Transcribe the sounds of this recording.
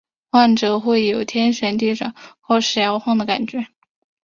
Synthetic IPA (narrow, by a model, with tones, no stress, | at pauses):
xwa˥˩nʈ͡ʂɤ˨˩xwe˥˩ɪjo˨˩ʊt̪ʰjɛ˥nɕɥɛ˧˥nt̪̬i˥˩ʈ͡ʂɤ˨˩˦xwo˥˧ʂɻ̩˥˩jɑ˧˥ʊxwɑ˥˩ŋd̪ə˩ka̰˨˩nt͡ɕɥɛ˧˥